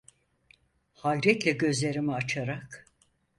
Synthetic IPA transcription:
hajɾɛt̪lʲɛɟø̞zlʲe̞ɾimiat͡ʃʰaɾak

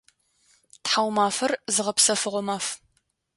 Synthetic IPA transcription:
tħawmaːfɐrzɨʁɐpsɐfɨʁʷɔmaːf

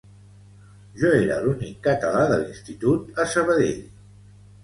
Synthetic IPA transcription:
ʒɔeɾə̰lunikːət̪əlaðəlinst̪it̪ut̪əsəβəðḛʎ

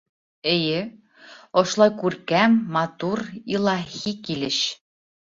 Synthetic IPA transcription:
ɘ̆jɘ | ŏʃlˠɑjkʉɾkæmːɑt̪uɾilˠɑxikilɘ̆ɕ

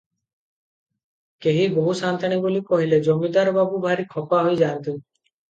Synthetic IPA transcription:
keɦiboɦusant̪ʰaɽ̃ibulikɔɦiled͡ʒomid̪aɾbabubʱaɾikʰɔpaɦojd͡ʒant̪u

